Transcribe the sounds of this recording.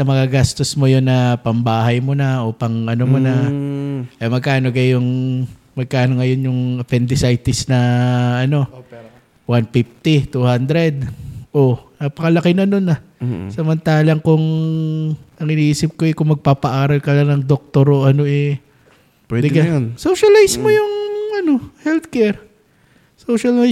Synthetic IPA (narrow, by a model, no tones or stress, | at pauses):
sɐmɐŋaɡaːst̪osmojonːɐpɐmbaːɦɐjmonaʔo̞pɐŋʔɐnomonɐ | ʔɐjmɐɡ̚kaːno̞ɡɐjʊŋ | mɐɡ̚kaːnoŋɐjo̞njʊŋɐpɛnd̪ɪsajt̪ɪsnɐɐno̞ | wanpift̪it̪uhand̪ɾɛd̪̚ʔonaːpɐkɐlɐkɪnɐno̞nɐ | sɐmɐnt̪aːlɐŋkʊŋ | ɐŋɪniʔiːsɪp̚ko̞ɛkʊŋmɐɡ̚paːpɐʔaːɾɐlkɐlanɐŋd̪ok̚t̪oɾoʔɐno̞ʔɛ | pɛd̪ɪɡaonsowʃɐlajsmojʊŋɐno̞hɛlt̪kɛɹ | sowʃɐla